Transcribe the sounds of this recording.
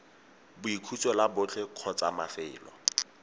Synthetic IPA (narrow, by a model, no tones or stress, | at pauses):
bʊikʰut͡sʼɔlabʊt͡ɬʰɛq͡χʰɔt͡sʼamafɪːlɔ̰